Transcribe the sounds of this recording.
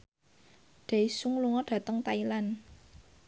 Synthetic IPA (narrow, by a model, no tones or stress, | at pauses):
ɖ̪̥eisuŋluŋɔɖ̥ä̤t̪əŋt̪ailan